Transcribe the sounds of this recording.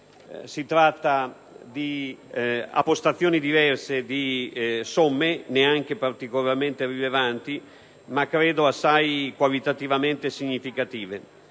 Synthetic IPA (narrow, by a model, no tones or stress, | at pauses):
sit̪ɾat̪ːa | d̪i | a̰pːost̪at̪sːjoːnid̪ivɛrsed̪isomːeneaŋk̟epart̪ikolarment̪erilevant̪i | makːɾeːd̪oasːajkwalit̪at̪ivament̪esiɲːifikat̪iːve